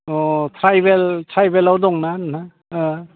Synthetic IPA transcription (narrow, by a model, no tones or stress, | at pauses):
ɔtʰɾajbeltʰɾajbelawdɔŋnanna